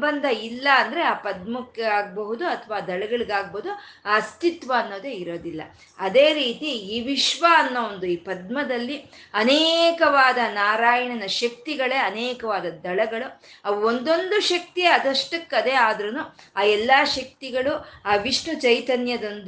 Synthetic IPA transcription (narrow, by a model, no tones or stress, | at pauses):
bɐnd̪ʱɐilːɐːnd̪ɐɾeaːpɐd̪̚mɐkːeaːɡ̚bɐɦud̪uɐt̪ʰɐʋaːd̪ɐɭɐɡɐɭiɡaːɡ̚boɦud̪uaɐst̪it̪ʋɐːnːo̞ːd̪e̞ːiɾo̞ːd̪ilːɐ̰ | ɐd̪eːɾiːt̪iiːʋiʃʋaɐnːoond̪uiːpɐd̪̚mɐd̪ɐlːiɐneːkɐʋaːd̪ɐnaːɾaːjɐɳɐnɐʃɐk̚t̪iɡɐɭe̞ːɐneːkɐʋaːd̪ɐd̪ɐɭɐɡɐɭuɐʋɐond̪o̞nd̪uʃɐk̚t̪iɐd̪ɐʂʈɐkːɐd̪eːaːd̪ɾɐnuaːɛlːaːʃɐk̚t̪iɡɐɭuaːʋiʂnut͡ʃɐjt̪ɐnjɐd̪ond̪